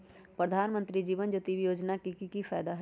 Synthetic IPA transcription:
pɾəd̪ʱaːnmə̃nt̪ɾid͡ʒiːʋənd͡ʒot̪iʋjoːd͡ʒnakikikifʰaːjd̪aɦ

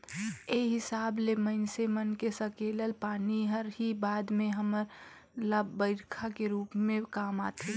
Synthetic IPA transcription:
eːɦɪsaːblemənsemənkesəkeːləlpaːniɦəɾɦibaːd̪mẽɦəməɾ | labbəɪɾkʰakeɾuːpmẽkaːmaːt̪ʰi

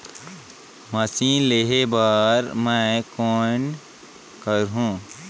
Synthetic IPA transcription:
məsĩleɦebəɾməkon | kəɾɦũ

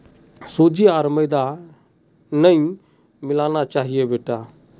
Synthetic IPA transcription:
sod͡ʒiaːɾməjd̪a | nəĩ | mɪlaːnat͡ʃaːɦijebeːʈa

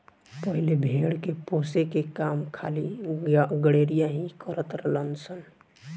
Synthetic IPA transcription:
pəɦilebʱeːɽkepoːsekekaːmkʰaːli | ɡəɽeːɾijaɦikəɾət̪ɾələnsən

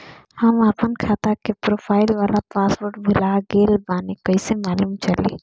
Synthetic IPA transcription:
hɐmapənkʰaːt̪akepɾoːpʰaːɪlʋaːlapaːsʋoːɾʈbʱʊlaɡeːlbaːnekɐisemaːluːmt͡ʃɐlḛː

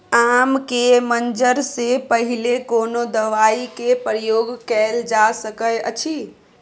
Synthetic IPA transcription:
amkemənd͡ʒəɾsepəɦilekonod̪əʋaikepɾəjoɡkɛld͡ʒasəkəjə̰t͡ʃʰi

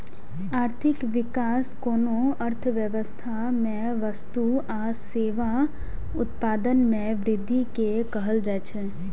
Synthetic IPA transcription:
aːɾt̪ʰɪkʋɪkaːskoːnoəɾt̪ʰʋjəʋəst̪ʰamẽ | ʋəst̪ua | seːʋa | ʊt̪paːd̪ənmẽʋɾɪd̪ʱːikekəɦəld͡ʒat͡ʃʰɛ

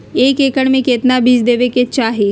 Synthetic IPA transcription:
eːkeːkəɽmẽkeːt̪nabiːd͡ʒd̪eːʋeket͡ʃaːɦe

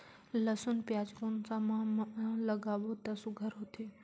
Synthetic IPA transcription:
ləsʊnpjaːd͡ʒkonsãmãmlɐɡaːʋot̪ɐsũɡʱəɾɦot̪ʰe

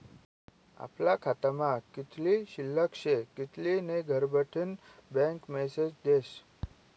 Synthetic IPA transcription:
a̰plakʰat̪amãkit̪ʰliɕilːəkʂekit̪lineɡʱəɾbʱəʈʰənbɛ̃ŋkmɛsed͡ʑd̪eɕ

